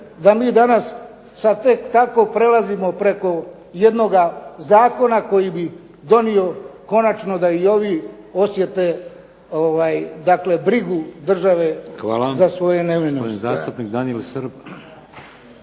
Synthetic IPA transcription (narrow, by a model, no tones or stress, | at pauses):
d̪amiːd̪anas | sad̪t̪e̞kt̪ako̞pɾe̞lazimo̞pɾe̞ko̞ | je̞d̪no̞ɡazaːko̞nako̞jibi | d̪o̞nio̞ko̞nat͡ʃno̞d̪aio̞ʋi | o̞sje̞t̪e̞ | oʋajd̪akle̞bɾiɡud̪r̩ʒaʋe̞xʋa̰ːlazasʋo̞jeneʋenoenzaːst̪upnikd̪anielsəɾb